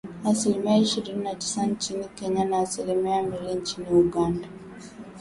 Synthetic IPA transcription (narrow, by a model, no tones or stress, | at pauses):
asilimijaiʃiɾinnati̥sant͡ʃinikeɲanaːsilimiamiɾint͡ʃiniuɡanda